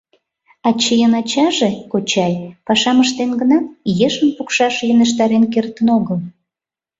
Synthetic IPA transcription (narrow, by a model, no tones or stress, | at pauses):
ɑt͡ɕejənɑt͡ɕɑʒekot͡ɕɑjpɑʃɑməʃt̪enɡənɑt̪jeʃənpukʃɑʃjəneʃ̬t̪ɑɾenkert̪ənoɣəl